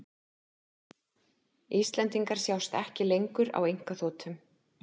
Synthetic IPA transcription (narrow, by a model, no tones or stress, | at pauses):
ist̪lɛnt̪iŋkaɾ̥sjawst̪ɛhcɪlejŋkʏɾa̰wejŋ̥kaθɔːt̪ʏm